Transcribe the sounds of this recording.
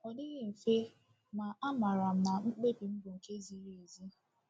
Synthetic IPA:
ɔ˨dɪ˦ɣɪ˦m̩˨fe˦ | ma˨ʔa˦ma˨ɾa˨m̩˨na˨ŋ͡m̩˦k͡pe˦bi˨m̩˦bʊ˨ŋ̩˨ke˦zi˦ɾe˨zi˦

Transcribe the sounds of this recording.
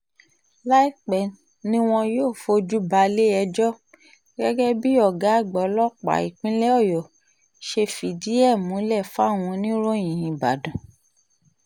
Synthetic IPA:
la˦i˦k͡pɛ˨ | nĩ˦w̃ɔ̃˧joː˦˨fo˧d͡ʒu˦ba˧le˦ɛ˧d͡ʒɔ˦ | ɡɛ˦ɡɛ˦bi˦ɔ˦˨ɡa˨˦˨ɡ͡bɔ˨˦lɔ˦k͡pa̰˨i˨k͡pĩ˦lɛ˦ɔ˦˨jɔ˨ | ʃe˧fi˨di˨˦ɛ˦˨mũ˨˦lɛ˦˨fa˦˨w̃ɔ̃˧nĩ˦ɾo˦˨j̃ĩ˨ĩ˨ba̰˨dũ˨

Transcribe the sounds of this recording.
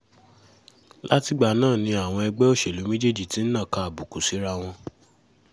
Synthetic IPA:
la˦ti˦ɡ͡ba˧˨nãː˦˨nĩ˧a˨w̃ɔ̃˧ɛ˧ɡ͡bɛ˦o˦˨ʃe˨lu˨˦mẽ˦d͡ʒe˦˨d͡ʒi˨ti˨˦n̩˦nã˦˨kã˧a˨bu˨ku˨si˨˦ɾa˧w̃ɔ̃˧

